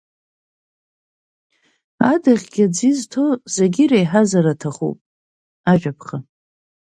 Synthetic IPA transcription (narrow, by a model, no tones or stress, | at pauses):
adaʁʲɡʲad͡ziztʰo̞zeɡʲiɾejħazaɾatʰaχṵpʼ | aʒᶣapʰχa